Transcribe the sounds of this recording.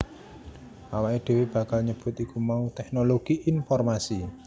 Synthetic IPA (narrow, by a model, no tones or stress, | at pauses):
ʔawaʔeɖ̪̥e̤web̥a̤kalɲəb̥ʊ̤t̪ikumaut̪ɛk̚noloɡ̥iʔinfɔrmasi